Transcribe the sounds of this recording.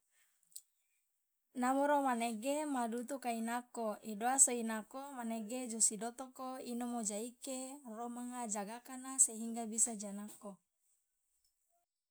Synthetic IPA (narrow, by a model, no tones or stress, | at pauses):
namoɾomaneɡemadut̪ukainakoidoasoinakomaneɡed͡ʒosidot̪okoinomod͡ʒaikeromaŋad͡ʒaɡakanaseɦiŋɡabisad͡ʒanako